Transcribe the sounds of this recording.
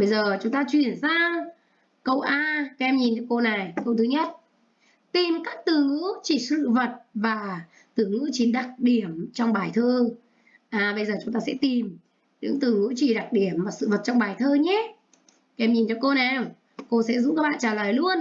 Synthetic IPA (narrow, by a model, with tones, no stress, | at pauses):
ɓə˧jzəː˨˩t͡ɕʊ˨˦ŋ͡mt̪aː˧t͡ɕwi˨˩ənsaː˧w | kə˧wʔaː˧kɛ˧mɲi˨˩nt͡ɕɔ˧ko˧na˨˩jkə˧wt̪ʰɨ˨˦ɲə˦˥t̚ | t̪i˨˩mkaː˦˥k̚t̪ɨ˨˦t͡ɕi˧˩sɨ̰˧˨və˨˩t̚vaː˨˩ | t̪ɨ˨˦ŋɨ̰˧˥t͡ɕi˨˦nɗa˨˩k̚ɗi˧˩əmt͡ɕɔ˧wŋ͡mɓaː˨˩jt̪ʰəː˧ | ʔaː˨˩ɓə˧jzəː˨˩t͡ɕʊ˨˦ŋ͡mt̪aː˧sɛ̰˧˥t̪i˨˩m | ɗɨ̰˧˥ŋt̪ɨ˨˦t͡ɕi˧˩ɗa˨˩k̚ɗi˧˩əmvaː˨˩sɨ̰˧˨və˨˩t̚t͡ɕɔ˧wŋ͡mɓaː˨˩jt̪ʰəː˧ɲɛ˨˦ | kːɛ˧mɲi˨˩nt͡ɕɔ˧ko˧nɛ˨˩m | ko˧sɛ̰˧˥zṵ˧˥ŋ͡mkaː˦˥ɓa̰ː˧˨t͡ɕaː˧˩ləː˨˩jlu˧ən